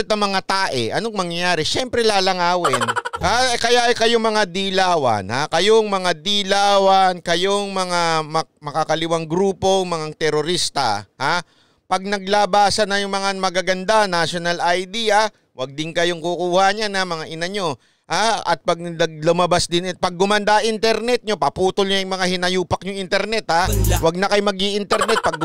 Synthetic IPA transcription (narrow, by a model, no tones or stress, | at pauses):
t̪ɐŋmɐŋat̪aːʔɛ̰ʔɐnoŋmɐŋjɐjaːɾɛʃɛmpɾɛlaːlɐŋaːwɪnhakɐjaʔɐjkɐjoŋmɐŋad̪ilaːwɐ̰nhakɐjoŋmɐŋad̪ilaːwɐnkɐjoŋmɐŋamɐmɐkakɐlɪwaŋɡɾuːpo̞ŋmɐŋaŋt̪ɛɾoɾist̪ɐ̰ha | pɐɡ̚nɐɡ̚laːbaːsɐnɐjʊŋmɐŋamɐɡaɡɐnd̪anaʃonɐlʔɐjd̪iːɐ | wɐɡ̚d̪ɪnkɐjoŋkʊkuːhaɲanɐmɐŋaʔɪnɐɲo̞ | haʔɐ̰t̪̚pɐɡ̚nɐɡ̚lʊmɐbasd̪ɪnɛt̪̚pɐɡ̚ːʊmɐnd̪aʔɪnt̪ɛɾnɛt̪̚ɲo̞pɐpuːt̪ʊlɲajʊŋmɐŋahɪnɐjuːpɐk̚ɲʊŋʔɪnt̪ɛɾnɛt̪hawɐɡ̚nɐkɐjomɐɡiʔɪnt̪ɛɾnɛt̪̚pɐɡ